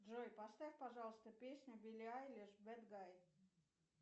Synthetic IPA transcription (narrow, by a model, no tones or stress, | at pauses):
ʐojpɐst̪afʲpaʐɑlˠst̪əpʲesʲnʲʊvʲilʲiajlʲɪʂbɛd̪ɡaj